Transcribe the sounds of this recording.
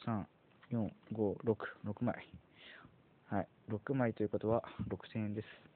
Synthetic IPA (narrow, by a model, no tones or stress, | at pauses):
sãŋ | jõŋɡo̞ɾo̞kɯ̥ɾo̞kɯ̟ma̰i | hai | ɾo̞kɯ̟mait̪o̞jɯ̟ko̞t̪o̞βaɾo̞kɯ̟̥sẽẽnd̪e̞sɨ̥